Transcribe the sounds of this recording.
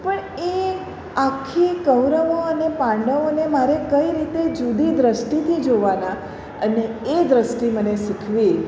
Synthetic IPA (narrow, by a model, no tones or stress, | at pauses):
pəɳ | e | akʰːikəʋɾəʋoənepãɳɖəʋonemaɾekəiɾit̪ed͡ʒud̪id̪ɾəsʈit̪ʰid͡ʒoʋana | əneːd̪ɾəsʈiməneʃikʰʋi